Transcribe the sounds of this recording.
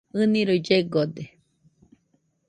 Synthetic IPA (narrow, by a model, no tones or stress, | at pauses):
ɨnĩɾoid͡ʒeɡod̪e